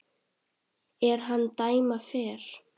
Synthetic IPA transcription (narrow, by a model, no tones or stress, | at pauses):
ɛɾ̥ɦanːt̪aːjmafɛːɾ̥